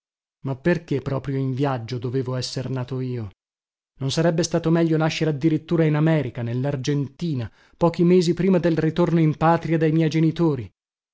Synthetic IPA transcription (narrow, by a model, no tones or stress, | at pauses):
mapːerkepːɾɔːpɾjoiɱvjad͡ʒːod̪oveːvoɛsːernaːt̪oiːo | nonsaɾɛbːest̪aːt̪omɛʎːonaʃːeɾead̪ːiɾit̪ːuːɾainamɛːɾikanelːard͡ʒent̪iːna | pɔːk̟imeːzipɾiːmad̪elrit̪ornoimpaːt̪ɾiad̪ejmjɛjd͡ʒenit̪oːɾi